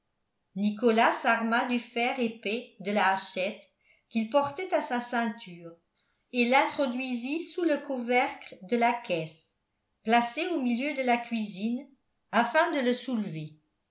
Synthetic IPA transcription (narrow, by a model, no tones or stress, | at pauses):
nikɔlasaʁmad̪yfɛːʁepɛd̪əlaːʃɛt̪ | kilpɔʁt̪ɛt̪asasɛ̃t̪ʰyːʁ | elɛ̃t̪χɔd̪ɥizisuləkuvɛʁkld̪əlakʰɛs | plaseomiljød̪əlakɥizin | afɛ̃d̪ələsulve